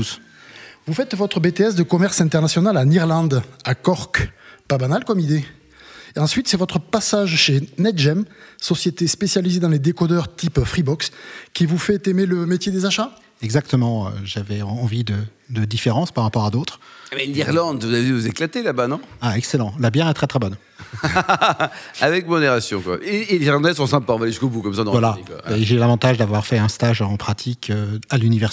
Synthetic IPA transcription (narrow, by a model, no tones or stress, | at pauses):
us | vufɛt̪vɔt̪χəbet̪eɛsd̪əkɔmɛʁsɛ̃t̪ɛʁnasjɔnalaniʁlɑ̃d̪akɔʁkpabanalkɔmid̪e | eɑ̃sɥit̪sɛvɔt̪χəpasaʒʃenɛt̪ʒɛmsɔsjet̪espesjalized̪ɑ̃led̪ekɔd̪œʁt̪ʰipfχibɔkskʲivufɛt̪emeləmet̪jed̪ezaʃa | ɛɡzak̚t̪əmɑ̃ø̰ʒavɛɑ̃vid̪əd̪əd̪ifeʁɑ̃spaʁːapɔʁad̪ot̪χmɛd̪iʁlɑ̃d̪vuzaivuzeklat̪elabanɔ̃aɛkselɑ̃labjɛʁɛt̪χɛt̪χɛbɔn | avɛkmɔd̪eʁasjɔ̃kwa̰ʔeleziʁlɑ̃d̪ɛsɔ̃sɛ̃paɑ̃valeʒyskobukɔmsad̪ɑ̃vwalaaeʒelavɑ̃t̪aʒd̪avwaʁfɛɛ̃st̪aʒɑ̃pχat̪ʰikʰøalynivɛʁs